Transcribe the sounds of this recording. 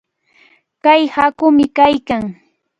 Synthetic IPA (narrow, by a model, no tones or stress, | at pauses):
kajhakʊmɪkajkaŋ